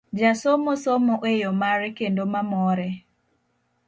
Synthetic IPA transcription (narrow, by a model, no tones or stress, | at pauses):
d͡ʒasomɔsomɔʔejɔmaɾɛkendomamɔɾɛ